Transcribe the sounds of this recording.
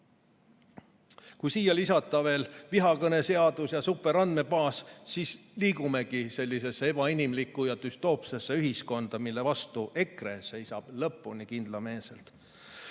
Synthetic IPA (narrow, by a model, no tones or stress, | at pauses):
kujsiːjɑlisɑt̪ːˑɑve̞ːlviɦɑkɤne̞seɑd̪̥usjɑsupːˑe̞ɾɑnd̪me̞pɑːssisliːkume̞kise̞lʲːis̬e̞sːee̞b̥ɑinimlikːˑujɑt̪yst̪o̞ːpsesːe̞yɦisko̞nd̪̥ɑmilːe̞vɑst̪uʔe̞kre̞se̞jsɑb̥lɤpːˑunikind̪̥lɑme̞ːselt̪